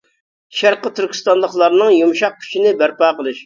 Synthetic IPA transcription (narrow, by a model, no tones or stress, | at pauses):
ʃæɾqət̪ʰyɾkʲʰi̥st̪ɑnlˠəχlˠɑɾnɨŋjumʃɑq̚kʲʰy̥t͡ʃʰinɪbæɾpɑːqəlˠɨʃ